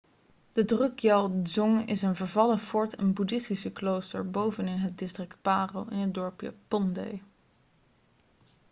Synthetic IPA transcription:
d̥ədrɵkjɑlˠzɔŋɪ̰sənvəɹvɑləfɔɹtʰɛnbudɪstisəklowstəɹbowvənɪnɦət̚dɪstrɪkt̚paːrowʔɪnəd̚dɔɹpja̰pɔndḛj

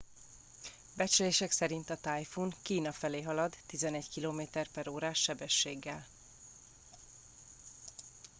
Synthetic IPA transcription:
bɛt͡ʃɛleːʃɛksɛɾint̪ɒt̪aːjfuŋkiːnɒfɛleːɦɒlɒd̪ːizɛnɛɟkiloːmeːt̪ɛrpɛɾoːɾaːʃːɛbɛʃːeːɡːɛl

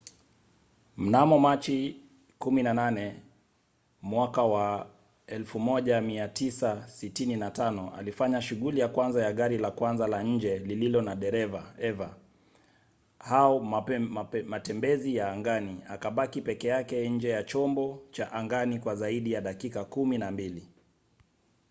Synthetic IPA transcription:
m̩namɔmat͡ʃi | kuminananɛ | mwakawa | ɛlfumɔʄamiatisasitininatanɔa̰lifaɲaʃuɠulijakwanzajaɠaɾilakwanzalaɲ̩d͡ʒɛlililɔnaɗɛɾɛvaɛva | haɔ | matɛmbɛzijaːŋɡaniakaɓakipɛkɛjakɛɲ̩d͡ʒɛjat͡ʃɔmbɔt͡ʃaʔaŋɡanikwazaiɗijaɗakikakuminambili

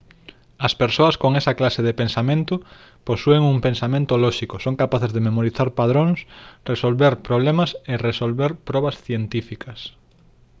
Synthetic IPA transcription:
ɐspeɾsoɐskoŋesɐklaseðepẽnsamẽnt̪ʊ | posueŋumpẽnsamẽnt̪ʊlɔʃikosoŋkapaθezðememoɾiθaɾpaðɾoŋsresolβeɾpɾoβ̞lemɐseresolβeɾpɾɔβɐsθjent̪ifikɐs

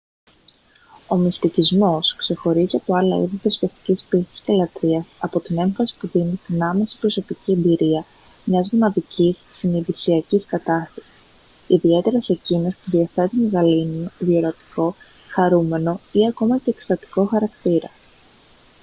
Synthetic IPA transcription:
o̞mist̪icizmo̞skse̞xo̞ɾiziɐpo̞ɐlɐ̰ḭðit̪ɾesceft̪i̥cispist̪i̥scelɐt̪ɾiɐsɐpo̞t̪ine̞ɱfɐsi̥puðinist̪inɐme̞si̥pɾo̞so̞picie̞mbiɾiɐ | mɲɐzmunɐðicisːiniðisiɐciskɐt̪ɐst̪ɐ̥si̥s | iðie̞t̪e̞ɾɐse̞cino̞spuðiɐθe̞t̪unɣɐlinunðioɾot̪i̥ko̞ | xɐɾume̞no̞iɐko̞mɐce̞ːkst̪ɐt̪i̥ko̞xɐɾɐkt̪iɾɐ

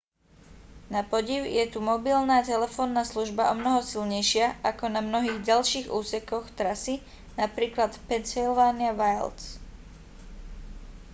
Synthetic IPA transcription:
napɔɟiʊjɛt̪umɔbilnaːt̪ɛlɛfɔːnːaːsluʒbaʔɔmnɔɦɔsilɲɛjʃɪaʔakɔnamnɔɦiːɣɟalʃiːɣṵːsɛkɔxt̪ɾasi | napɾiːklat̪pɛnsilʋaːniaʋajls

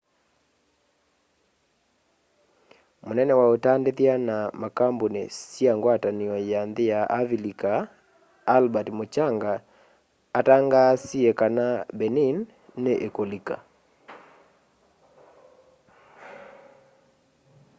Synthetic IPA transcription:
monɛnɛwaotandeðjanamakambonḛsjaŋɡwataniɔjanðejaʔavilikaː | lbatmot͡ʃaŋɡaː | taŋɡasiekanabɛninː | eʔekolika

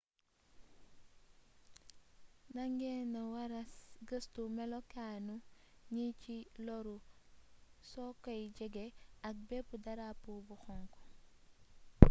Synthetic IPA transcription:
naŋɡenɐwaɾɐsɡəstumɛlɔkanuɲicilɔɾu | sɔkɔjɟɛɡeɐk̚bɛpudɐɾapubuxɔŋkɔ̥

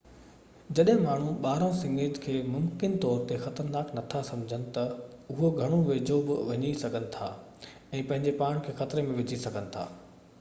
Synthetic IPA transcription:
d͡ʑɐɗɦɪ̃maːɳ̤uɓaːɾãsɪ̃ŋeːd͡ʑkʰeːmʊmkɪnt̪ɔːɾt̪exɐt̪əɾnaːknɐt̪ʰasɐ̃md͡ʑʱənɪ̆t̪ɐʊɦoɡʱɐɽ̃oʋeːd͡ʑobɪʋɐɲisɐɡʱənɪ̆t̪ʰaː | ɛ̃ːpɐ̃ɦɪɲd͡ʑepaːɽ̃kʰeːxɐt̪ɪɾemẽʋɪd͡ʑʱisɐɡʱənɪ̆t̪ʰa̰ː

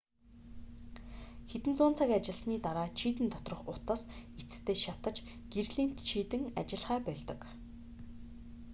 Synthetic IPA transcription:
xet̪ɘ̆nt͡sʊːnt͡sʰăkat͡ɕɪ̆ɮsniːt̪aɾaːt͡ɕʰiːt̪ɘ̆nt̪ʰɔt̪rɞ̆χʊt̪ə̆sit͡sɘ̥̆st̪ʰeːʃat̪ə̆t͡ɕ | ɡ̥irɮiːn̥t̪t͡ɕʰiːt̪ɘ̆ŋa̰t͡ɕɪ̆ɮχæːpœɮt̪ɞ̆k

